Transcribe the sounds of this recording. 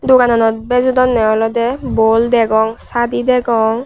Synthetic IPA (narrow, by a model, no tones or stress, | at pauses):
duɡanɔnɔt̚bɛzudɔnːɛɔlɔdɛbɔldɛɡɔŋsadidɛɡɔŋ